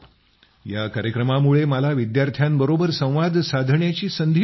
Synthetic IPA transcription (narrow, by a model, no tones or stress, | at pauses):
jakaɾjəkɾəmamuɭeməlaʋid̪jaɾt̪ʰjambəɾobəɾsə̃w̃ʋad̪ʱsad̪ʱɳjat͡ɕiːsənd̪ʱ